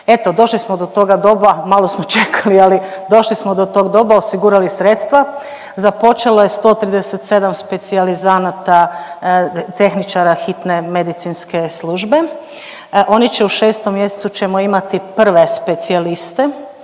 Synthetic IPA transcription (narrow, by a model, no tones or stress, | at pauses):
et̪o̞d̪o̞ʃlismod̪ot̪o̞ɡad̪o̞bamalo̞smot͡ʃe̞kʰalialid̪o̞ʃlismod̪ot̪o̞ːɡd̪o̞baosiɡuɾalisɾe̞t̪st̪ʋa | zapo̞t͡ʃe̞loje̞st̪o̞ːt̪ɾiːd̪eset̪se̞d̪amspe̞t̪sializanat̪a | t̪e̞xnit͡ʃaɾaxit̪ne̞me̞d̪it̪sinske̞slˠuːʒbe̞ | ʔo̞nit͡ɕeuʃe̞ːst̪omːje̞set̪sut͡ʃemoimat̪ipr̩ʋe̞spe̞t̪sialist̪e